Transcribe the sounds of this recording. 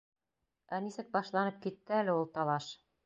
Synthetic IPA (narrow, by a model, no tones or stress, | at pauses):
ænisɘk̚bɑʃlˠɑnɤp̚kit̪ːɘælɘulˠt̪ɑlˠɑʃ